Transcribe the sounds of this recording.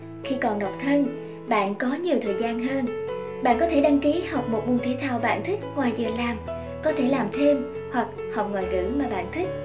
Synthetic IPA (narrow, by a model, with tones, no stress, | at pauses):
xi˧kɔ˨˩nɗɔ˨˩k͡p̚t̪ʰə˧n | ɓa̰ː˧˨nkɔ˨˦ɲi˨˩əwt̪ʰəː˨˩jzaː˧nɦəː˧n | ɓa̰ː˧˨nkɔ˨˦t̪ʰe˧˩ɗa˧ŋki˨˦ha˨˩wk͡p̚mo˨˩t̚ɓu˧ŋt̪ʰi˨˦t̪ʰaː˧˩wɓa̰ː˧˨nt̪ʰi˦˥k̚hwaː˨˩zɨ˨˩əlaː˨˩m | kɔ˨˦t̪ʰe˧˩laː˨˩mt̪ʰe˧m | hwa˨˩k̚ | ha˨˩wk͡p̚ŋwɔː˨˩jɣɨ̰˧˥maː˨˩ɓa̰ː˧˨nt̪ʰi˦˥k̟̚